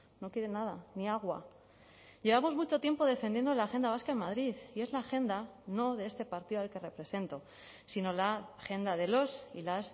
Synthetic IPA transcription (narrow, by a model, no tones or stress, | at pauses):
no̞kjeɾenað̞aniaɣ̞wa̰ | ʝe̞βamo̞zmut͡ʃo̞t̪je̞mpo̞ð̞e̞fe̞nd̪jend̪olaxe̞nd̪aβ̞askaenmaðɾiθie̞zlaːxe̞nd̪ano̞ðe̞est̪epaɾt̪iðoalke̞re̞pɾe̞se̞nt̪o̞ | sino̞laxe̞nd̪aðe̞lo̞silas